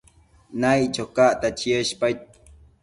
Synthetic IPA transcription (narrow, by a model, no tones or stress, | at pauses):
najt͡ʃokaʔt̪at͡ʃiəʃpajt̪̚